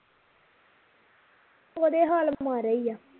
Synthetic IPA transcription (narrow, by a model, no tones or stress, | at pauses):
oːd̪eːɦaːlmmaːɾəiːjaː